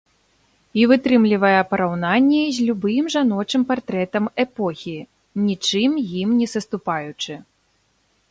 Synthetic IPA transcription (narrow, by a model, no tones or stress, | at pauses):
ivɨt̪ɾɨmlʲivɐjɛpɐɾawnanʲːɛzʲlʲubɨmʐanɔt͡ʂɨmpart̪ɾɛt̪ɐmɛpɔxʲi | nʲit͡ʂɨmjimnʲɛsɐst̪upajut͡ʂɨ